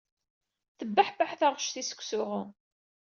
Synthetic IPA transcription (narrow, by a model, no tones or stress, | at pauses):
θəbːaħbaħθaʁəʃθisə̥kʷːsʊʁʊ